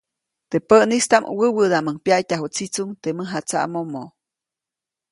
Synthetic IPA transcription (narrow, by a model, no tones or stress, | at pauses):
t̪epəʔnist̪amʔwəwəd̪aməŋpjaʔjt̪ʲaɦut͡sit͡suŋt̪eməɦat͡sa̰ʔmomo